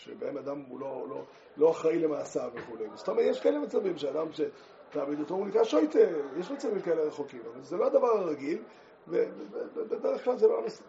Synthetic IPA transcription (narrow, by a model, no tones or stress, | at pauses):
ʃebenad̪amulo̞lo̰ | lo̞aχʁaile̞maːsaveχulejmzso̥t̪omejeʃkaelemat͡savimʃead̪amʃe̞ | t̪aːmid̪ot̪ounikaʃojt̪ejeʃmat͡savimkaeleʁe̞χokimavzeload̪avaʁaʁaɡil | veeebebed̪eʁeχklalzebaamas